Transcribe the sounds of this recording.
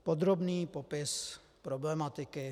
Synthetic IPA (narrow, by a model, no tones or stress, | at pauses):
pod̪ɾobniːpopɪs | pɾoblɛmat̪ɪkɪ